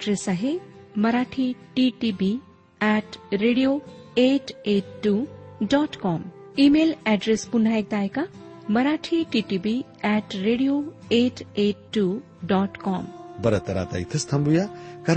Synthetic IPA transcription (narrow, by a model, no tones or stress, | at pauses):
ɖɾesaɦemɐɾaʈʰiʈiʈibi | ɛʈɾeɽijo | eʈeʈʈːuɖɔʈkɔm | imelɛɖɾespunaek̚d̪aːjka | mɐɾaʈʰiʈiʈibi | ɛʈɾeɽijoeʈeʈʈːu | ɖɔʈkɔmbɐɾɐt̪ɐɾa̰t̪ɐ̰jt̪ʰɐst̪ʰɐmbujakaɾ